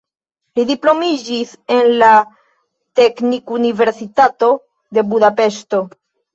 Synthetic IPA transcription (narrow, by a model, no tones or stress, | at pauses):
lidiplo̞mid͡ʒis | e̞nla | te̞knikunive̞ɾsitato̞ | de̞budape̞ʃto̞